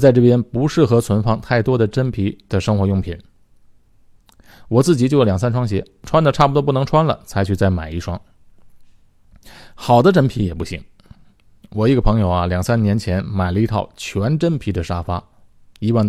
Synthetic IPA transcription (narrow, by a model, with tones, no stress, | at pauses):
t͡sa˥˧ɪʈ͡ʂɤ˥˩pjɛ˥npu˧˥ʂɻ̩˥˩xɤ˧˥t͡sʰwə˧˥nfɑ˥ŋt̪ʰa˥˩ɪt̪wɔ˥d̪ə˨ʈ͡ʂə˥npʰi˧˥d̪ə˨ʂɤ˥ŋxwɔ˧˥jʊ˥˩ŋpʰi˨˩˦n | wɔ˨˩t͡sɹ̩˥˩t͡ɕi˨˩t͡ɕjo˥˩ʊ˩ljɑ˨˩ŋs̬a˥nʈ͡ʂʰwɑ˥ŋɕ̬jɛ˧˥ | ʈ͡ʂʰwa˥nd̪ə˨ʈ͡ʂʰa˥˩pu˧t̪wɔ˥pu˥˩nɤ˧˥ŋʈ͡ʂʰwa˥nlə̰˨t͡sʰa˧˥ɪt͡ɕʰy˥˧t͡sa˥˩ɪma˨˩ɪi˥˩ʂwɑ˥ŋ | xɑ˨˩ʊd̪ə˦ʈ͡ʂə˥npʰi˧˥jɛ˨˩pu˥˩ɕḭ˧˥ŋ | wɔ˨˩i˧˥ɡə˧pʰɤ˧˥ŋjo˨˧˩ʊɐ˧ljɑ˨˩ŋsa˥nnjɛ˧˥nt͡ɕʰjɛ˧˥nma˨˩ɪlə˧i˧˥t̪ʰɑ̰˥˩ʊt͡ɕʰɥɛ˧˥nʈ͡ʂə˥npʰi˧˥d̪ə˨ʂa˥fa˥ | i˧˥wa˥˩n